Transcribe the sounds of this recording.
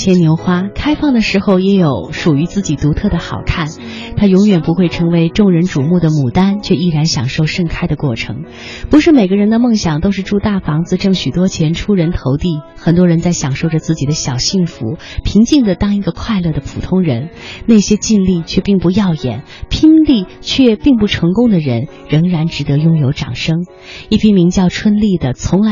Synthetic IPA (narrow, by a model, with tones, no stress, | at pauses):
t͡ɕʰjɛ˧˥nnjo˧˥ʊxwa˥kʰa˥ɪfɑ˥˩ŋd̪ə˩ʂɻ̩˧˥xo˥˧ʊjɛ˧˥jo˨˧˩ʊʂu˨˩y˧˥t͡sɹ̩˥˩t͡ɕi˨˩t̪u˧˥t̪ʰɤ˥˩d̪ə˩xɑ̰˨˩ʊkʰa˥˩n | t̪ʰa˥jʊ˧˥ŋjɥɛ˨˩npu˧˥xwe˥˩ɪʈ͡ʂʰɤ˧˥ŋwe˧˥ɪʈ͡ʂʊ˥˩ŋɻə˧˥nʈ͡ʂu˨˩mu˥˩d̪ə˩mu˨˩t̪a˥nt͡ɕʰɥɛ˥˧i˥˩ɻa˧˥nɕjɑ˨˩ŋʂo˥˧ʊʂɤ˥˩ŋkʰa˥ɪd̪ə˨kwɔ˥˩ʈ͡ʂʰɤ̰˧˥ŋ | pu˧˥ʂɻ̩˥˩me˨˩ɪɡə˦˥ɻə˧˥nd̪ə˧mɤ˥˩ŋɕjɑ˨˩ŋt̪o˥ʊʂɻ̩˥˧ʈ͡ʂu˥˧t̪a˥˩fɑ˧˥ŋd͡zɹ̩˧ʈ͡ʂɤ˥˩ŋɕy˨˩t̪wɔ˥t͡ɕʰjɛ˧˥nʈ͡ʂʰu˥ɻə˧˥nt̪ʰo˧˥ʊt̪i˥˩ | xə˨˩nt̪wɔ˥ɻə˧˥nt͡sa˥˩ɪɕjɑ˨˩ŋʂo˥˩ʊʈ͡ʂə˩t͡sɹ̩˥˩t͡ɕi˨˩d̪ə˦ɕjɑ˨˩ʊɕi˥˩ŋfṵ˧˥pʰi˧˥ŋt͡ɕi˥˩ŋd̪ə˩t̪ɑ˥ŋi˧˥ɡə˧kʰwa˥˧ɪlɤ˥˩d̪ə˩pʰṵ˨˩t̪ʰʊ˥ŋɻə˧˥nne˥˩ɪɕjɛ˥t͡ɕi˥˧nli˥˩t͡ɕʰɥɛ˥˧pi˥˩ŋpu˥˧jɑ˥˩ʊjɛ̰˨˩˦n | pʰi˥nli˥˩t͡ɕʰɥɛ˥˧pi˥˧ŋpu˥˩ʈ͡ʂʰɤ˧˥ŋkʊ˥ŋd̪ə˨ɻə˧˥n | ɻɤ˧˥ŋɻa˧˥nʈ͡ʂɻ̩˧˥t̪ɤ˧˥jʊ˥ŋjo˧˥ʊʈ͡ʂɑ̰˨˩ŋʂɤ˥ŋ | i˥˩pʰi˥mi˧˥ŋt͡ɕjɑ˥˩ʊʈ͡ʂʰwə˥nli˥˩d̪ə˩t͡sʰʊ˧˥ŋla˧˥